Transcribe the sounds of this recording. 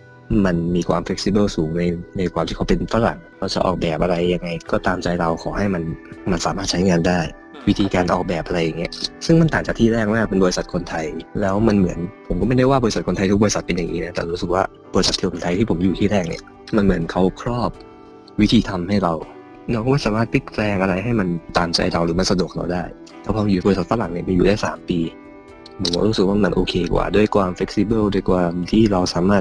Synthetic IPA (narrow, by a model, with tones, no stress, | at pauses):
ma˧nmiː˧kʰwaː˧mfe˦˥k̚si˧bɤː˥˩suː˩˦ŋna˧jna˧jkʰwaː˧mtʰiː˥˩a˦˥pe˧nfa˧˥ɾa̰˨˩ŋkʰa˧˥wt͡ɕa̰˨˩ʔɔ̰ː˨˩k̚bɛː˨˩p̚ʔa˧ɾa˧jːa˧ŋːa˧jkɔː˥˩t̪aː˧mt͡ɕa˧jɾa˧wkʰɔː˩˦ɦa˥˩jma˧nma˧nsaː˩˦maː˥˩t̪̚t͡ɕʰa˦˥jŋaː˧ndaː˥˩j | wi˦˥t̪ʰiː˧kaː˧nʔɔː˨˩k̚bɛː˨˩p̚ʔa˧ɾa˧jːa˨˩ŋːi˦˥ɐsɯ˥˩ŋma˧nt̪aː˨˩ŋt͡ɕa˨˩k̪̚ʰiː˥˩ɾɛː˥˩k̚maː˥˩k̚pe˧nbɔː˧ɾi˧˥sa˨˩t̪̚kʰo˧nt̪ʰa˧jlɛː˦˥wma˧nmɯ˩˦ənpʰo˨˩˦mkɔ˥˩ma˥˩jda˥˩jwaː˥˩bɔː˧ɾsa˨˩t̚kʰo˧nt̪ʰa˧jt̪̚ʰɔː˧sa˨˩t̪̚pe˧njaː˨˩ŋiː˦˥na˦˥t̪ɛː˨˩ɾuː˦˥sɯ˨˩k̚waː˥˩ | bɔː˧ɾi˧˥sa˨˩t̪ʰːiː˥˩o˧nt̪ʰa˧jt̪ʰiː˥˩pʰo˩˦mjuː˨˩t̪ʰiː˥˩ɾɛː˥˩k̚nḭ˦˥˩ɐ | ma˧nmɯ˩˦ənkʰa˦˥wkʰɾɔː˥˩p̚ | wi˦˥t̪ʰiː˧t̪ʰa˧mɦa˥˩jɾa˧w | ɾa˧wkɔ˥˩maː˥˩saː˩˦maː˥˩t̪̚pʰi˦˥k̚lɛː˧ŋʔa˧ɾa˧jɦa˥˩jma˧nt̪aː˨˩mt͡ɕa̰˧jɾa˧wɾɯː˩˦ma˧nsa˧du˨˩ək̚ʰɾa̰˧wdaː˥˩j | lɛː˦˥wpʰɔː˧juː˨˩bɔ˧ɾi˧˥sa˨t̪̚fa˧˥la˨˦ŋni˥˩ma˧juː˨daː˥˩jsaː˩˦mpiː˧ | pʰo˨˩˦kɔ̰˦˥˩ɾu˦˥sɯ˨˩k̚waː˥˩ma˧nʔoː˧kʰeː˧kwa̰ː˨˩du˥˩əjkʰwaː˧mfle˦˥k̚siː˧bɤ˥˩ldu˥˩jkwaː˧mt̪ʰiː˥˩ɾa˧wsaː˨˩˦maː˥˩t̪̚